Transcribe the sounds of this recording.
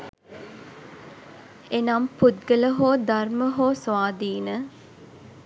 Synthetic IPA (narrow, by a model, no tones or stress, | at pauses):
enamput̪̚ɡələɦoːd̪arməɦoːsʋaːd̪iːnə